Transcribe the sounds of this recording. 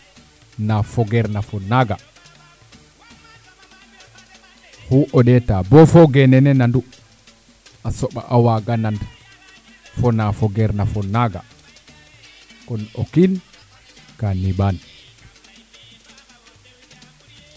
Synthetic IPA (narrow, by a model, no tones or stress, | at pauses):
nafɔɡɛɾnafɔnaɡa | huʔɔɗɛtabɔfɔɡɛnɛnɛnandu | asɔɓa̰ʔawaɡanand | fɔnafɔɡɛɾnafɔnaɡa̰ | kɔnokin | kaniban